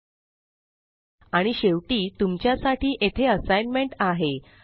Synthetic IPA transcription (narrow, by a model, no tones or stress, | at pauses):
aɽ̃iɕeʋʈiːt̪umt͡ɕjasaʈiːʔet̪ʰeəsajnmeɳʈaɦe